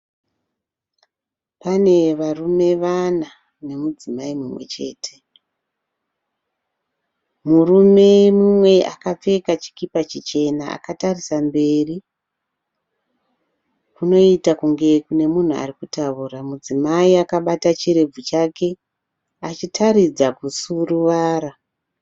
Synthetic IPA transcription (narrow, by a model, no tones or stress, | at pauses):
pane̞ʋarume̞ʋana | ne̞mud͡zimaimumwe̞̰t͡ʃe̞̰ːtʰe̞̥ | murume̞mumwe̞a̰kap͡fe̞kat͡ʃi̥kipat͡ʃit͡ʃe̞naa̰katarisambe̞ri | kuno̞itakuŋɡe̞kune̞mun̤ua̰rikutauːramud͡zimaiakaɓatat͡ʃiɾe̞b͡vut͡ʃake̞ | at͡ʃitʰaɾid͡zakusuruʋaːra